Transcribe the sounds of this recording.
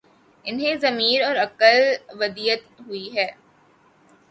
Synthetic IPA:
ɪnɦẽzɐmiːɾɔːɾɐkəlʋɐd̪iːət̪ɦʊiɦɛː

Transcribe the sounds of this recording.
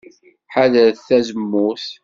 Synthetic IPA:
ħaðəɾθθæzəmːuθ

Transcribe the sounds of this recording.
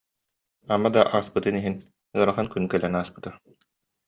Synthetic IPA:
amad̪aʔaːspɯt̪ɯniɦin | ɯɐɾaχankynkɛlɛnaːspɯ̥t̪a

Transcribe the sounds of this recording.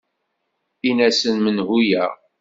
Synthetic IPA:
inæsənmənɦujæ̰

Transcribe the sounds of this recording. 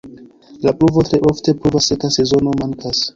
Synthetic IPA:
lapɾuvo̞tɾe̞ʔo̞fte̞pɾuvasekase̞zo̞no̞maŋkʰas

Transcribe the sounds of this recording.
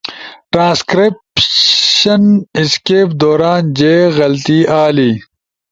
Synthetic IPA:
ʈɾãːskɾip | ɐniskeːpd̪oːɾaːnd͡ʑeːɣɐlt̪iːʔaːliː

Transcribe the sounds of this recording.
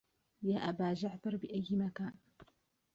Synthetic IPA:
jaːʔabaːʒaʕd̪ɑɾˤbɪʔajːmakaːn

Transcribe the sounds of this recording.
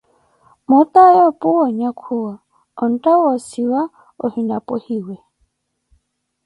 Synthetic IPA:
mʊt̪ajɔpʼuwɔɲakʰuwa | ɔn̩tawɔsiwa | o̰hinapʼohiwɛ

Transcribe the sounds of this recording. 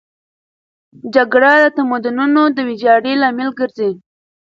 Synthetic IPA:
d͡ʒaɡɽad̪ət̪amad̪ʊnunod̪əwɪd͡ʒɑɽelɑmɪlɡəɾze

